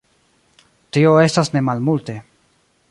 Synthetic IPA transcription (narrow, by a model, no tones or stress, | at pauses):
tio̞e̞stasne̞malmulte̞